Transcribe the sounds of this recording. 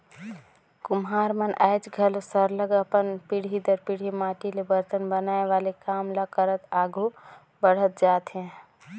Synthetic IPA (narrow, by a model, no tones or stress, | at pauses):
kumɦaːɾmənʔaɪd͡ʒɡʱəlsəɾləɡəpənpiɽ̤id̪əɾpiɽ̤imaːʈilebəɾt̪ənbənaːeʋalekamlakəɾət̪aɡu | bəɽ̤ət̪̚d͡ʒaːt̪ɦɛ̃